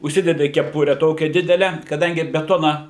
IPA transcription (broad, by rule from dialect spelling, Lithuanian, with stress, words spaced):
ʊʃʲˈsʲɪdʲɛdʲɪ kʲɛˈpʊrʲɛ ˈtoːkʲæː ˈdʲɪdʲɛlʲɛ kɐˈdɐŋʲɡʲɪ bʲɛˈtoːnɐ